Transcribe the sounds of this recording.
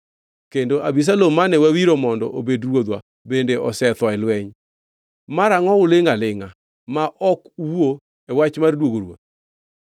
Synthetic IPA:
kendoʔabis̬alomanɛwawiɾomɔndɔ̰ʔobedrwod̪wa | bendeʔɔsɛt̪wɔɛlwɛɲ | maɾaŋɔʊleŋalɪŋa | maʔɔkuwo | ɛwat͡ʃmardwoɡoɾwo̰d̪

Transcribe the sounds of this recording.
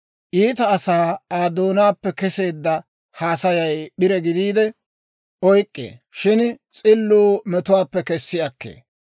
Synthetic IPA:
ʔiːt̪ɐːsaːaːd̪oːnaːpːɛkɛse̞ːd̪ːɐ | haːsɐjɐjɓɪɾɛɡɪd̪iːd̪ɛ | ɔjkʼːḛːʃɪnt͡sʼɪlːuːmɛt̪ʊwaːpːɛkɛsːɪɐkːḛː

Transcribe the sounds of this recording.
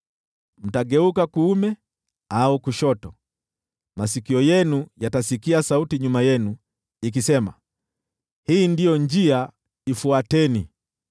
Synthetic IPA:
m̩taɡɛukakuːmɛ | aukuʃɔtɔ | masikiɔjɛnujatasikiasautiɲumajɛnu | ik̬isɛma̰ | hiːndijɔɲd͡ʒia | ifuatɛni

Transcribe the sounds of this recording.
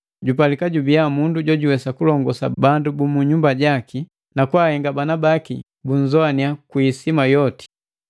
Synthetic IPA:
ɟupalikaɟubiamunduɟɔɟuwɛsakulɔŋɡɔsa̰bandubumuɲumbaɟaki | nakwahɛŋɡabanabakḭ | buɲzɔaniakwisimajɔti̥

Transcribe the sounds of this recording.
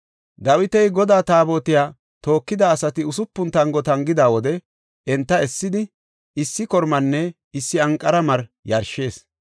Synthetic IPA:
d̪ɐwɪt̪ɛjɡɔd̪aːt̪aːbo̞ːt̪ɪjaː | t̪o̞ːkːɪd̪ɐːsɐt̪ɪʊsʊpːʊnt̪ɐŋɡɔt̪ɐŋɡɪd̪aːwɔd̪ɛ | ɛnt̪ːɐɛsːɪd̪ɪ | ɪsːɪkɔɾmɐnːɛ | ɪsːɪɐŋkʼːɐɾɐmɐɾjɐɾʃe̞ːs

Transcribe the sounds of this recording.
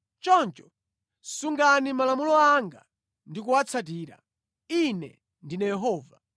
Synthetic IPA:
t͡ʃɔnt͡ʃɔ̥ | suŋɡanimalamulɔaŋɡa̰ | ndikuwat͡sʰat̬iːɾa̰ | inɛ̰ | ndinajɛɦɔːva̰

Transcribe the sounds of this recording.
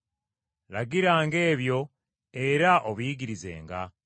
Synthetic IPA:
laɡiɾaːŋɡe̞ːβjo̞ | eɾaʔoβujiɡiɾize̞̰ːŋɡa̰

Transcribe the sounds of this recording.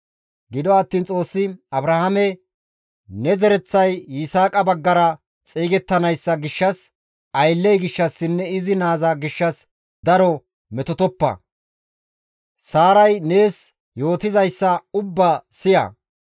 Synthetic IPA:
ɡɪd̪ɔɐt̪ːiːnt͡sʼo̞ːsːɪɐbɾɐhɐmɛ | nɛzɛɾɛt͡sːɐjɪsaːkʼɐbɐɡːɐɾɐ | t͡sʼiːɡɛt̪ːɐnɐjsːɐɡɪʃːɐs | ʔɐjlːɛjɡɪʃːɐsːɪnːɛɪzɪnaːzɐɡɪʃːɐs | d̪ɐɾɔ | mɛt̪ɔt̪ɔpːɐ̰ | saːɾɐjne̞ːs | jo̞ːt̪ɪzɐjsːɐʊbːɐsɪjɐ̰

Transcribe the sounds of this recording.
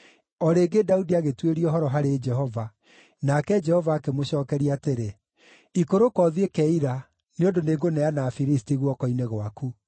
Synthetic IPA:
ɔɾeːɡedaudiaɣetweɾiɔɦɔɾɔɦaɾed͡ʒɛɦɔva | nakɛd͡ʒɛhɔvaːkemoɕɔːkɛɾiateɾe | ikoɾokɔðiekɛiɾa | neondoneɡonɛanafiɾistiɣwɔkɔineɣwaku

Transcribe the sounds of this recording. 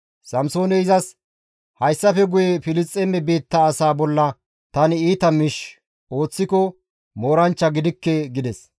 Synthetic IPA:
sɐmso̞ːnɛɪzɐs | hɐjsːɐfɛɡʊjɛfɪlɪt͡sʼːɛmɛbe̞ːt̪ːɐːsaːbɔlːɐ | t̪ɐnɪiːt̪ɐmɪʃ | o̞ːt͡sːɪkɔ | mo̞ːɾɐnt͡ʃːɐɡɪd̪ɪkːɛɡɪd̪ɛs

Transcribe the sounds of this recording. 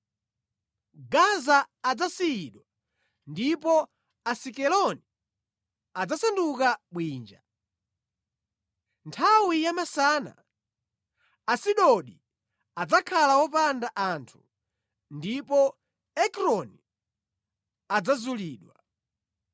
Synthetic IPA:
ɡazaːd͡zasiiɗwa | ndipɔ | asikɛlɔni | ad͡zasandukaɓwiːnd͡ʒa | ntʰawijamasana̰ | siɗɔɗi | ad͡zakʰalawɔpandaʔantʰu̥ | ndipɔ | ɛkɾɔni | ad͡zazuliːɗwa

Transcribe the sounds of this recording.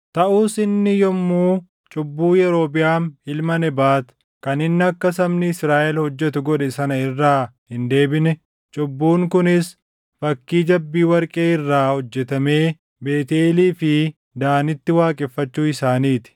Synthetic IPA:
t̪ɐʔuːsɪnːɪjɔmːuː | t͡ʃʼʊbːuːjɛɾo̞ːpɪjaːmhɪlmɐnɛbaːt̪ | kɐnɪnːɪɐkːɐsɐmnɪɪsɾaːʔɛlhɔd͡ʒːɛt̪ʊɡɔᶑɛsɐnɐɪrːaːhɪnd̪e̞ːbɪnɛ | t͡ʃʼʊbːuːŋkʊnɪs | fɐkːiːd͡ʒɐbːiːwɐɾkʼeːɪrːaːhɔd͡ʒːɛt̪ɐme̞ː | beːt̪eːliːfɪ | d̪aːnɪt̪ːɪwaːkʼɪfːɐt͡ʃːuːɪsaːniːt̪ɪ̥

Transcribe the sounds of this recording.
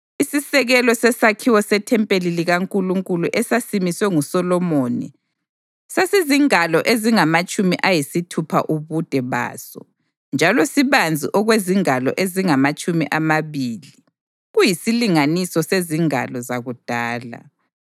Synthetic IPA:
isisɛɣɛlɔsɛsakʰiwɔsɛtʰɛmpʼeliliɣaŋkʼuluŋkʼuluʔɛsasimiswɛŋusɔlɔmonḭ | saseziŋalɔʔeziŋamat͡ʃʼumiʔajisitʰupʰa̰ʔuβud̥ʱɛβa̰ːsɔ̰ | nd͡ʒʱalɔsiβand͡zʱḭʔɔɣweziŋalɔ̰ʔeziŋamat͡ʃʼumḭʔamaβili | ɣujisiliŋanisɔseziŋa̰lɔzaɣud̥ʱaːla̰

